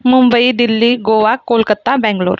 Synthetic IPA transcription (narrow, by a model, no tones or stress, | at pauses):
mumbəid̪ilːiːɡoʋakolkət̪ːabɛ̃ŋɡlo̰ɾ